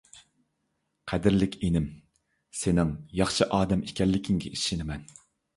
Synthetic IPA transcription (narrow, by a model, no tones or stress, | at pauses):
qʰɛd̪ɪɾlɪkʲʰenɪm | senɪŋjɑχʃɨʔɑːd̪ɛmikʲʰɛlːɪkʲʰiŋɡʲɛʔiʃinɪmɛn